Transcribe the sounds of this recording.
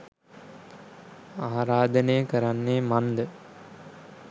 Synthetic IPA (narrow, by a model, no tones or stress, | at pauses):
aːɾaːd̪ənejəkəɾanːeːmand̪ə